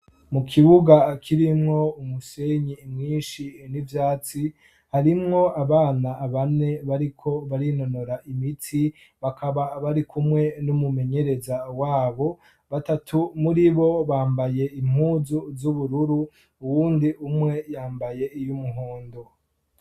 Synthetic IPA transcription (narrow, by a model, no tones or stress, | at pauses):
mukʰiβuɡakʰiɾimŋo̞umuse̞ɲimŋiːnʃinivjaːt͡si | haɾimŋo̞aβaːnaːβane̞βaɾikʰo̞βaɾino̞no̞ɾaʔimitʰi | βakʰaβaβaɾikumŋe̞numume̞ɲe̞ɾe̞zawaːβo̞ | βatatʰumuɾiβo̞βaːmbaje̞im̥huːzuzuβuɾuɾu | uwuːndiʔumŋe̞jaːmbaje̞ijumuɦoːndo